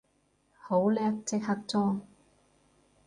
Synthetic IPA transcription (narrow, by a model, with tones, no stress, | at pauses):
ho˨˥wlɛː˥k̚t͡sɪ˥k̚hɐ˥k̚t͡sɔː˥ŋ